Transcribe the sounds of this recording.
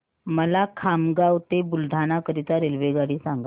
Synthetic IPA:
məlakʰamɡawt̪ebuld̪ʱanakəɾit̪aɾelʋeɡaɽiːsaŋɡa

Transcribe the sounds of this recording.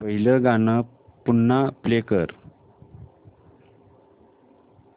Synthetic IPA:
pəɦiləɡanə | punːaplekəɾ

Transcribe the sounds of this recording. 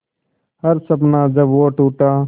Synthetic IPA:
həɾsəbnãːd͡ʒəbʋoːʈuːʈaː

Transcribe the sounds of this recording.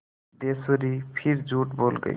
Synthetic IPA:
d̪esoɾipʰiɾd͡ʒuʈbolɡə̰

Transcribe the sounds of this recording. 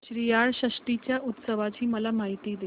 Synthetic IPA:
ɕɾijaɭɕəʂʈit͡ɕjaʔut̪səʋat͡ɕiːməlamaɦit̪iːd̪e

